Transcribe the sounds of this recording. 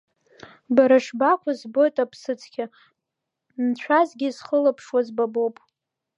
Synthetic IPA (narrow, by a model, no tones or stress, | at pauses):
baɾaʂbakʷʰazbo̞jtʼapʰsɨt͡sʰʼkʲʰa | nt͡ɕʷʰazɡʲizχəlapʰʂwazbabopʼ